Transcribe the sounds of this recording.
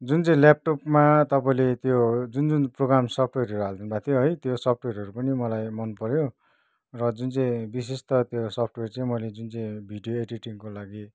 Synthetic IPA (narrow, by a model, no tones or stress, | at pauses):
d͡zunt͡saĩlap̚ʈopmat̪ʌpaĩlet̪jod͡zund͡zunproɡramsʌp̚ʰʈweɾʌɾuɦald̪inubat̪ʰijoɦʌjt̪josʌp̚ʰʈweɾʌɾupʌnimʌlajmʌnpʌɾjo | rʌd͡zunt͡sʌĩbis̬est̪ʌt̪josʌpʰʈwert͡sãĩmʌled͡zunt͡sãĩbʱiɖijoeʈiʈiŋkolaɡi